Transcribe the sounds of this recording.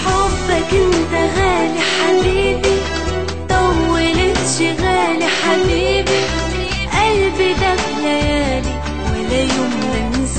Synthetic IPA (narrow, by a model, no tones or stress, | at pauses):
ħobːakɪnt̪aɣaːliħabiːbi | t̪ˤɑbwɪlɪnʃɪɣaːliħabiːbi | ʔalbid̪axlajaːli | wɪlajʊmlanɪs